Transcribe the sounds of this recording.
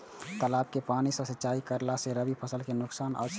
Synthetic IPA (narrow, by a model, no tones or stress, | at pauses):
t̪əlaːb̚kepaːnisəsətːt͡ʃaːikəɾlaseɾəbipʰəsəlkenʊksaːnʔɔ̰ːsʰ